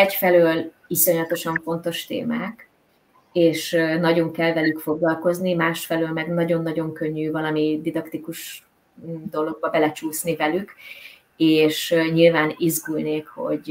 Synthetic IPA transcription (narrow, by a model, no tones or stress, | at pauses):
ɛcfɛløːl | iso̞ɲɒt̪o̞ʃɒɱfo̞nt̪o̞ʃt̪ḛːmaːk | eːʃnɒɟo̞ŋkɛlvɛlykfo̞ɡlɒlko̞znimaːʃfɛløːlmɛɡnɒɟo̞nːɒɟo̞ŋkø̞ɲːyvɒlɒmid̪id̪ɒkt̪ikuʃ | d̪o̞lo̞ɡ̚bɒbɛlɛt͡ʃuːsnivɛlyk | eːʃɲilvaːnizɡulneːkho̞̰ɟ